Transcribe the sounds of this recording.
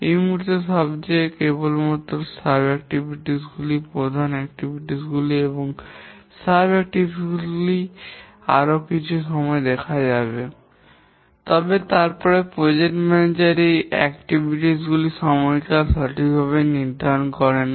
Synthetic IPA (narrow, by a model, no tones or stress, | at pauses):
ejmuɦuɾt̪eʃɔbt͡ɕekebolmɔt̪osabɛk̚ʈibʱiʈisɡulipɾod̪ʱanɛk̚ʈibʱiʈisɡulieboŋ | sabɛk̚ʈibɡuli | a̰ɾokit͡ɕʰuʃɔmɔed̪ɛkʰad͡ʑabe | t̪ɔbet̪aɾpɔɾepɾod͡ʑeʈmɛned͡ʑaɾejɛ̰k̚ʈibʱiʈisɡuliʃɔmɔjkaʃaʈʰik̚bʱaβeniɾd̪ʱankɔɾen